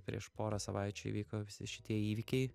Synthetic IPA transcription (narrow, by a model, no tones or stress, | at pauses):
pʲɾʲḭɛʃpoːɾɐsɐʋɐɪt͡ʃʲuḭʋʲiːkoːʋʲɪsʲɪ̰ʃʲɪt̪ʲiɛiːʋʲɪkʲɛɪ